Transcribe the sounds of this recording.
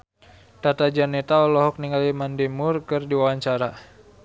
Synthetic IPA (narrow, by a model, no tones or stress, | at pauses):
t̪at̪ad͡ʒanɛt̪aɔlɔɦɔk̚niŋɡalimandɛmurkɨrdiwawaɲt͡ʃaɾa